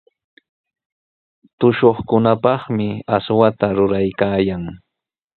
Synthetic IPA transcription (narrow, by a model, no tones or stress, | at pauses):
t̪ʊʃoχkʊnapɑχmɪaswat̪aɾʊɾajkaːjaŋ